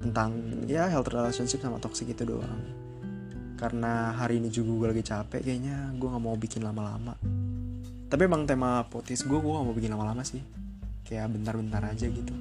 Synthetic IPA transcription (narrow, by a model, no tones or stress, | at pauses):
t̪ənt̪aŋjaɦɛlt̪ərdalasɔnsɪp̚sama̰t̪ɔksɪkit̪udo̰ʔa̰ŋ | kaɾənaɦaɾiːnid͡ʒuɡaɡualaɡit͡ʃapɛ̰ʔkaaɲaɡuaŋaʔmawbikɪnlamala̰ma | t̪apimaŋt̪emapot̪ɪsɡuaɡuaŋaʔmawbikɪnlamalamasɪhkajaʔbənt̪arbənt̪aɾad͡ʒaɡit̪u